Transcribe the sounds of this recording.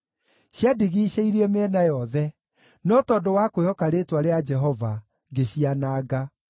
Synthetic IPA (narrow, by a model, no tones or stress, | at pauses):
ɕjadiɣiːɕeiɾeɛmeɛnajɔðɛ | nɔtɔdowakohɔkaɾetwaɾead͡ʒɛɦɔva | ɡeɕianaːɡa